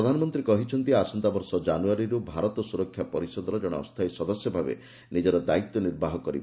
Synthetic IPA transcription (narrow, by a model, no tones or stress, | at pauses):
ɾɔd̪ʱanɔmɔnt̪ɾikɔɦit͡ʃʰɔnt̪iasɔnt̪abɔɾsɔd͡ʒanuaɾiɾubʱaɾɔt̪ɔsuɾɔkʰːjapɔɾisɔd̪ɔɾɔd͡ʒɔɽ̃ɔ̰ɔ̰st̪ʰajsɔd̪ɔsjɔbʱabḛ | nid͡ʒɔɾɔd̪ait̪ːɔniɾbaɦɔkɔɾibɔ